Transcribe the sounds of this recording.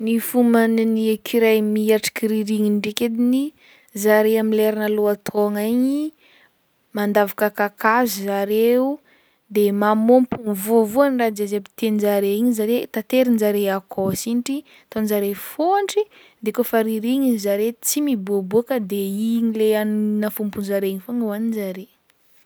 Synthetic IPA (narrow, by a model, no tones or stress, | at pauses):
nifumanniekʰiɾajmiaʈ͡ʂi̥kiɾiɾiŋinɖ͡ʐeked̪ini | zaɾeamileɾanaloat̪ʰoŋaɲi | mand̪avakəkakazizaɾeu | d̪emamompuŋvuəvuanrad͡ʒazebit̪end͡ʒaɾeiɲizaɾet̪at̪eɾinzaɾeakʰosinʈ͡ʂi | t̪onzaɾefoɳʈ͡ʂi | d̪ekofaɾiɾiɲinzaɾet͡simibuəbuakəd̪eiɲileannafumpunzaɾeiɲifoŋwaninzaɾe